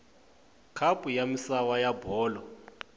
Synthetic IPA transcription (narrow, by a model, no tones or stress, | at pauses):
kʰapʼujamisawajabɔːlɔ